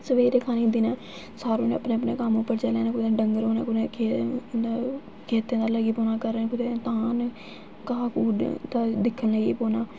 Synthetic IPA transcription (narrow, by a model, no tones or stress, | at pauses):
səʋeːɾeːkʰaːniːnd̪iːnaː | saːɾoːneːpneːəpneːkamʊpːəɾt͡ʃaːleːneːkʊd̪eɖəŋɡəɾoːna̰ːkʊnẽːkʰeː | kʰeːt̪ẽːd̪aːləɡiːpoːnaːkəɾːeːkʊd̪eːt̪aːn | kaːkuːd̪aːd̪ɪkʰːənləɡḭːpoːnaː